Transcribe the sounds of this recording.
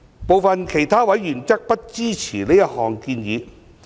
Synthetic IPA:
po˨˧wfɐ˨nkʰe˨˩jt̪ʰaː˥wɐ˨˥jːyː˨˩nt͡sɐ˥k̚pɐ˥t̚t͡siː˥t͡sʰiː˨˩leː˥jɐ˥t̚hɔː˨˩ŋkiː˧njiː˨˧

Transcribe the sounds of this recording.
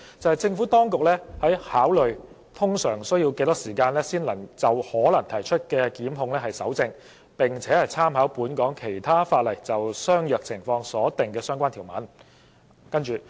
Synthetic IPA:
t͡sɐ˨˧whɐ˨jt͡sɪ˧ŋfu˨˥t̪ɔː˥ŋkʊ˨k̚lɛː˥hɐ˨˥jhaː˨˥wlɵ˨ɥ | t̪ʰʊ˥ŋsœː˨˩ŋsɵ˥ɥji˧wke˧t̪ɐ˥k̚siː˨˩kaː˧nlɛː˥siː˥nlɐ˨˩ŋt͡sɐ˨whɔː˨˥lɐ˨˩ŋt̪ʰɐ˨˩jt͡ʃʰɵ˥t̚kɛː˧kiː˨˥mɦʊ˧ŋlɛː˥ɦɐ˨jsɐ˨˥wt͡sɪ˧ŋ | pɪ˨˩ŋt͡sʰɛː˨˥hɐ˨jt͡sʰaː˥mɦaː˨˥wpuː˨˥nkɔː˨˥ŋkʰe˨˩jt̪ʰaː˥faː˧t̚lɐ˨˩jt͡sɐ˨wsœː˥ŋjœː˨k̚t͡sʰɪ˨˩ŋfɔː˧ŋsɔː˨˥t̪ɪ˨ŋkɛː˧sœː˥ŋkʷaː˥nt̪ʰiː˨˩wmɐ̰˨˥n | kɐ˥nt͡ʃyː˨

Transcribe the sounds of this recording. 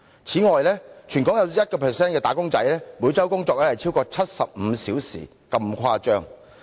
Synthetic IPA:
t͡sʰiː˨˥ŋɔː˨jlɛː˥t͡ʃʰyː˨˩nkɔː˨˥ŋjɐ˨˧wjɐ˥t̚kɔː˧pʰɛː˨˩sɛː˥nkɛː˧t̪aː˨˥kʊ˥ŋt͡sɐ̰˨˥jlɛː˥muː˨˧˥t͡sɐ˥wkʊ˥ŋt͡sɔː˧k̚lɛː˥hɐ˨jt͡sʰiː˥wkɔː˧t͡sʰɐ˥t̚sɐ˨p̚m̩˨˧siː˨˥wsḭː˨˩ | kɐ˧mkʷʰaː˧˥t͡ʃœː˥ŋ

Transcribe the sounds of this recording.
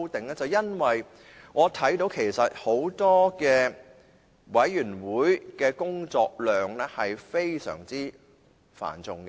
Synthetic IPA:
wt̪ɪ˨ŋlɛː˥t͡sɐ˨wjɐ˥nwɐ˨j | ŋɔː˨˧t̪ʰɐ˨˥jt̪o˨˥wkʰe˨˩jsɐ˨t̚ho˨˥wt̪ɔː˥kɛː˧ | wɐ˨˥jːyː˨˩nwuː˨˥jkɛː˧kʊ˥ŋt͡sɔː˧k̚lœː˨ŋlɛ˥hɐ˨jfe˥jsœ̰ː˨˩ŋt͡siː˥ | fa̰ː˨˩nt͡sʊ˨ŋk

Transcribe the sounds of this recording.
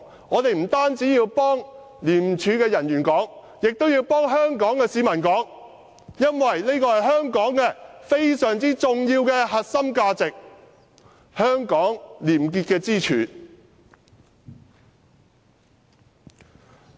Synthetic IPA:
ŋɔː˨˧t̪e˨jm̩˨˩t̪aː˥nt͡siː˨˥jiː˧wpɔː˥ŋ | liː˨˩mt͡ʃʰyː˨˧kɛː˧jɐ˨˩njyː˨˩nkɔː˨˥ŋ | jɪ˨k̚t̪o˥wjiː˧wpɔː˥ŋɦœː˥ŋkɔː˨˥ŋkɛː˧siː˨˥mɐ˨˩nkɔː˨˥ŋ | jɐ˥nwɐ˨jne˥kɔː˧hɐ˨jɦœː˥ŋkɔː˨˥ŋkɛː˧fe˥jsœː˨˩ŋt͡siː˥t͡sʊ˨ŋjiː˧wkɛː˧ɦɐ˨t̚sɐ˥mkaː˧t͡sɪ˨k̚ | hœː˥ŋkɔː˨˥ŋliː˨˩mk̬iː˧t̚kɛː˧t͡siː˥t͡ʃʰyː˨˥

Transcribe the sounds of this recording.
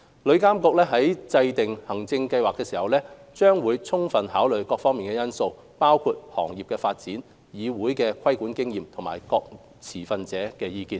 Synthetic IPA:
lɵ˨˧ɥkaː˥mkɔː˧k̚lɛː˥ɦɐ˨˥jt͡sɐ˧jt̪ɪ˨ŋhɐ˨˩ŋt͡sɪ˧ŋkɐ˧jwaː˨k̚t̪ɛː˧siː˨˩hɐ˨wlɛː˥t͡ʃœː˥ŋwuː˨˧jt͡sʰʊ˥ŋfɐ˨nhaː˨˥wlɵ˨ɥkɔː˧k̚fɔː˥ŋmiː˨˩nkɛː˧jɐ˥nso˧w | paː˥wkʰu˧t̚hɔ̰ː˨˩ŋjiː˨p̚kɛː˧faː˧t̚t͡siː˨˥n | jiː˨˧wuː˨˥jkɛː˧kʷʰɐ˥jkuː˨˥nkɪ˥ŋjiː˨mt̪ʰʊ˨˩ŋma̰ː˨˩jkɔː˧k̚ | t͡sʰiː˨˩fɐ˨nt͡sɛː˨˥kɛː˧jiː˧kiː˧n

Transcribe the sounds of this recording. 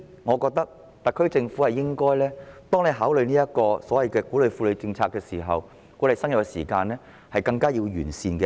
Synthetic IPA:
ŋɔː˨˧kɔː˧k̚t̪ɐ˥k̚ | t̪ɐ˨kʰːɵ˥ɥt͡sɪ˧ŋfu˨˥hɐ˨jɪ˥ŋkɔː˥jlɛː˥t̪ɔː˥ŋne˨˧jɦaː˨˥wlɵ˨˧jniː˥jɐ˥t̚kɔː˧sɔː˨˥wɐ˨jkɛː˧kuː˨˥lɵ˨˧jfuː˧lɵ˨˧ɥt͡sɪ˧ŋt͡sʰaː˧kːɛː˧siː˨˩ɦɐ̰˨w | kuː˨˥le˨jsɐ˥ŋjɐ˨wkɛ˧sḭː˨˩kaː˧nlɛː˥ | hɐ˨jkɐ˧ŋkaː˥jiː˧wjyː˨˩nsiː˧nkɛ˧

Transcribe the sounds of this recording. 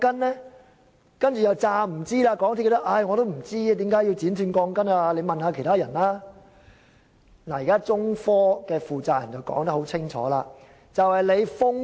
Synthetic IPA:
kɐ˥nlɛː˥ | kɐ˥nt͡ʃyː˨jɐ˨˩wt͡saː˧m̩˨˩t͡siː˥laː˧kɔː˨˧˥ŋt̪ʰːkːt̪ʔɐ˧˩jŋɔ˨˧ɾo˥wm̩˨˩t͡siː˥˧t̪iː˨˥mkaː˨˥ji˧wt͡siː˨˥nt̪ʰyː˧nkɔː˧ŋkɐ˥naː˧le˨˧jmɐ˨nhaː˧kʰe˨˩t̪ʰaː˥jɐ˨˩nlaː˥ | naː˨˩jiː˨kaː˥t͡sʊ˥ŋfɔː˥kɛː˧fuː˨t͡saː˨jɐ˨˩nt͡sɐ˨˩wkɔ̰ː˨˥ŋt̪ɐ˥k̚ho˨˥wt͡sʰɪ˥ŋt͡ʃʰɔ̰ː˨˥laː˧ | t͡sɐ˨whɐ˨jle˨˧jfʊ˥ŋ

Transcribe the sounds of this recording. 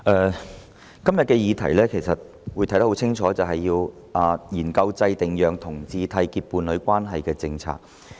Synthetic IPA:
ʔɛː˨˧ | kɐ˥mjɐ˨t̚kɛː˧jiː˨˧t̪ʰɐ̰˨˩jlɛː˥kʰe˨˩jsɐ˨t̚ | wu˨˧t̪ʰɐ˨˥jt̪ɐ˥hwt͡sʰɪ˥ŋt͡ʃʰɔː˨˥t͡sɐ˨wɦɐ˨jːiː˧w | ʔaː˨˩jiː˨˩nkɐ˧wt͡sɐ˧jt̪ɪ˨ŋjœː˨ŋt̪ʰʊ˨˩ŋt͡siː˧t̪ʰɐ˧jkiː˧t̚puː˨˧nlɵ˨˧ɥkʷaː˥nɦɐ˨jkɛː˧t͡sɪ˧ŋt͡sʰa̰ː˧˥k̚

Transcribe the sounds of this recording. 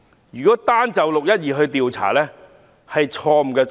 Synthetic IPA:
jyː˨kɔː˨˥t̪aː˥nt͡sɐ˨wlʊ˨k̚jɐ˥t̚jiː˨˩ɦɵ˧ɥt̪iː˨˧wt͡sʰa̰ː˨˩lɛː˦˥ | hɐ˨jt͡ʃʰɔː˧m̩˨˩kɛː˧

